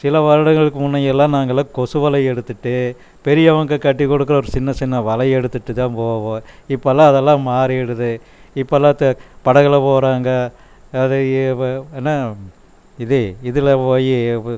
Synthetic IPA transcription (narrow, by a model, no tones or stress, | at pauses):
sɪlɐʋɐɾɐɽɐŋɡɐɭɯkːɯmʊnːɐjɛlːãːnaːŋɡɐlaːkɔsɯʋɐlɐɪɛɽɯt̪ːɯʈːɯ | pɛɾɪjɐʋɐŋɡɐkɐʈːikːɔɽɯk̬ːɾɐɔɾɯt͡ʃɪnːɐt͡ʃɪnːɐʋɐlɐjɛɽɯt̪ːɯʈːɯt̪ãːpoːʋõːɪpːɐlːãːɐðɛlːãːmaːɾiɛɽɯðɯ | ɪpːɐlːãːt̪ːɐpɐɽɐɣɐlɐpoːɾaːŋɡɐː | ðɯ | enːaː | ɪðɯɪðɯlɐpoːji